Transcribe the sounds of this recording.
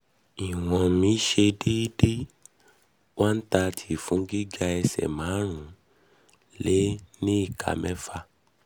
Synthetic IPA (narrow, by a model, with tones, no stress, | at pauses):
i˨w̃ɔ̃˨mĩ˧˦ʃe˧di˦de˦ | wʔa˦n̩˦ta˧tʰi˨fũ˨˦ɡi˦d͡ʒa˦˧ɛ˧sɛ̰˨mã˨˦ɾ̃ũ˨˦ | le˦nĩ˦i˦˨ka̰˨mɛ̃˦fa˧